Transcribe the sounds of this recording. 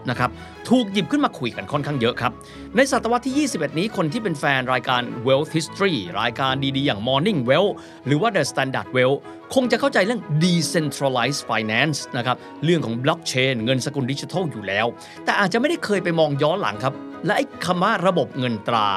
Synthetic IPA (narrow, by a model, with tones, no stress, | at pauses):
na˦˥kʰɾa˦˥p̚ | t̪ʰuː˨˩k̚ji˨˩p̚kʰɯ˥˩nmaː˧kʰu˨˩jka˧nkʰɔ˥˩nkʰaː˥˩ŋjɤ˦˥ʔkʰa˦˥p̚ | na˧jsa˨˩t̪ːa˧wa˦˥t̪ʰːiː˥˩jiː˥˩si˨˩p̚ʔe˨˩t̪̚niː˦˥kʰo˧nt̪ʰiː˥˩pe˧nfɛː˧nɾaː˧jkaː˧nwe˦˥wt̪̚hi˦˥st̪ɾiː˥˩ɾa̰ː˧jkaː˧ndiː˧diː˧jaː˨˩ŋmɔː˧ni˥˩ŋwe˦˥w | ɾɯː˩˦waː˥˩na˧st̪ɛː˧nda̰ː˨˩t̪̚we˦˥w | kʰo˧ŋt͡ɕa˨ʔkʰa˥˩wt͡ɕa˧jɾɯ˥˩əŋdiː˧se˧nt̪ʰɾaː˧la˦˥jsfaː˧jnɛː˦˥nsna˦˥kʰa˦˥p̚ | ɾɯ˥˩əŋkʰɔː˩˦ŋblɔ˦˥k̚t͡ɕʰeː˧nŋɤ˧nsa˧ku˧ndi˦˥t͡ɕi˧t̪ʰɔ˥˩wjuː˨˩lɛː˦˥w | t̪ɛː˨˩ʔaː˨˩t̪̚t͡ɕa˨ma˥˩jda˥˩jkʰɤː˧jpa˧jmɔː˧ŋjɔː˦˥nla̰˩˦ŋkʰa˦˥p̚lɛ˦˥ʔa˧˩jkʰa˧mwaː˥˩ɾa˧bo˨˩p̚ŋɤ˧nt̪ɾa̰ː˧